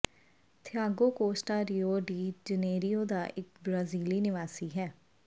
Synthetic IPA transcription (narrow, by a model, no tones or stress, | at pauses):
t̪ʰɪjaːɡoːkoːsʈaːɾiːoːɖiːd͡ʒəneːɾijoːd̪aːʔɪk̚bɾaːziːliːnɪʋaːsiːɦɛː